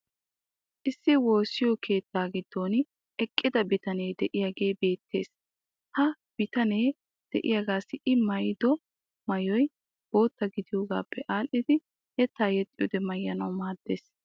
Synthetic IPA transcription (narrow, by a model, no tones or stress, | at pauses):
ʔɪsːɪwo̞ːsɪjɔkʰe̞ːt̪ːaːɡɪd̪ːo̞ːn | ʔɛkʼːɪd̪ɐbɪt̪ɐne̞ːd̪ɛʔɪjaːɡe̞ːbe̞ːt̪ːe̞̰ːs | hɐ | b̥ɪt̪ɐneː | d̪̥ɛ̰ʔɪ̰jaɡaːsɪʔɪmɐjd̪ɔ | mɐjɔj | b̥oːt̪ːɐɡɪd̪ɪjoːɡa̰ːpːɛʔaːlʔɪd̪ɪ | jɛt̪ːaːjɛt̪ʼːɪjɔd̪ɛmɐjːɐnɐwmaːd̪ːe̞̰ːs